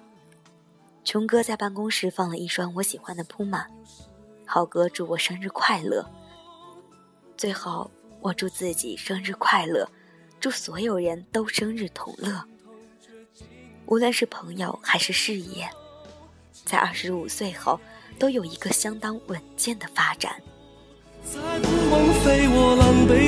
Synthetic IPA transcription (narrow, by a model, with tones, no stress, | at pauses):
t͡ɕʰʊ˧˥ŋkɤ˥t͡sa˥˧ɪpa˥˩nkʊ˥ŋʂɻ̩˥˧fɑ˥˩ŋlə˩ʔi˥˩ʂwa˥nwɔ˧˥ɕi˨˩xwa˥nd̪ə˨pʰu˥ma˨˩˦n | xɑ˨˩ʊkɤ˥ʈ͡ʂu˥˩wɔ˨˩ʂɤ˥ŋɻ̩˥˧kʰwa˥˧ɪlɤ̰˥˩ | t͡swe˥˩ɪxɑ˨˩˦ʊ | wʔɔ˨˩ʈ͡ʂu˥˧t͡sɹ̩˥˩t͡ɕḭ˨˩ʂɤ˥ŋɻɻ̩˥˧kʰwa˥˧ɪlɤ̰˥˩ | ʈ͡ʂu˥˩swɔ˧˥jo˨˩ʊɻə˧˥nt̪o˥ʊʂɤ˥ŋɻɻ̩˥˩t̪ʰʊ̰˧˥ŋlɤ˥˩ | ʔu˧˥lwə˥˧nʂɻ̩˥˩pʰɤ˧˥ŋjo˧ʊxa˧˥ɪʂɻ̩˥˧ʂɻ̩˥˧jɛ˥˩ | t͡sa˥˧ɪʔɐ˞˥˩ʂɻ̩˧˥u˨˩swe˥˩ɪxɑ˨˩˦ʊt̪o˥ʊjo˨˩ʊi˧˥ɡə˧ɕjɑ˥ŋt̪ɑ˥ŋwə˨˩nt͡ɕjɛ˥˩nd̪ə˩fa˥ʈ͡ʂa̰˨˩˦n | a˧wə˧˥ŋfe˥ɪwɔ˨˧˩lə˧˩ŋpe˧˥